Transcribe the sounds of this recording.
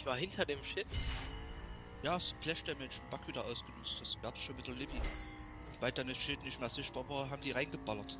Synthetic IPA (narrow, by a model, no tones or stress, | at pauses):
çv̥aːɐhɪntʰɐdeːmʃɪt | jaːsplɛʃd̥eɐmɛnʃn̩b̥akv̥iːdɐʔaʊsɡ̥ənʊt͡std̥asɡ̥aːpsʃoːnmɪtɐlɪbi | b̥aɪld̥andasʃɪtnɪçtmeːɐzɪçtb̥aːɐvaːɦaːbm̩diːʁaɪnɡəbalɐt